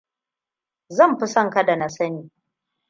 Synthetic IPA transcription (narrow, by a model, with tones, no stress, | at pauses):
zɐ˦˨mɸi˦sɐ˦ŋka˦da˨na˨sɐ˦niː˨